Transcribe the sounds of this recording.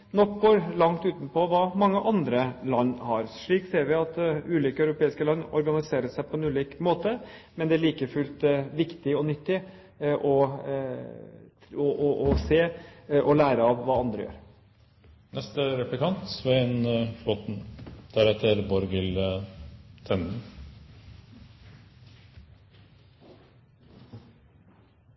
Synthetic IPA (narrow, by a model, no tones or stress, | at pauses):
nɔkboːɾlɑŋt̪ʉːt̪n̩pɔʋɑːmɑŋːəʔɑnd̪ɾəlɑnːhɑɾʂɭiːkseːɾʋɪɑt̪ʉːliːkəœʉɾʊpeːɪskəlɑnːɔ̰ɾɡɑnɪseːɾəsæɪpʰɔɛnʉːliːkmoːt̪əmɛnd̪ɛæɭiːkəfʉlt̪ʋɪkt̪ɪɔnʏt̪ːɪ | ʔɔ | ɔʔɔʔɔseːʔɔlæːɾəɑʋʋɑːɑnd̪ɾə̰jø̰ːɾ | nɛst̪əɾɛplɪkɑnt̪ʋɛnflɔːt̪n̩d̪̥æɾɛt̪ʰəɾbɔɾɡɪl | t̪ʰɛnn